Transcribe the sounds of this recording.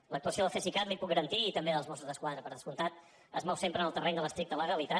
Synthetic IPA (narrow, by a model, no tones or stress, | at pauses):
lək̚t̪uəsioðəlˠfesikat̪lipuk̚ɡəɾənt̪iːt̪əmbeðəlˠzmɔsuzðəskwaðɾəpəɾðəskunt̪at̪̚ | əzmɔwsempɾənəlˠt̪ərɛɲd̪ələst̪ɾik̚t̪ələɣəlit̪a